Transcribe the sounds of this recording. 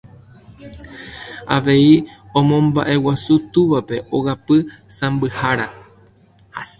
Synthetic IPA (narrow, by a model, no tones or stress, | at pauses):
a̰ʋe̞iõ̞mõ̞mba̰ʔe̞wasut̪uʋape̞ʔoɣapɨsãmbɨhaɾa | ha